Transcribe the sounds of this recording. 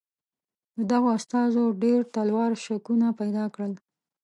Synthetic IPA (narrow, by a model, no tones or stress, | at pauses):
d̪əd̪aɣoast̪ɑzoɖeɾt̪alwɑɾʃakunapajd̪ɑkɽəl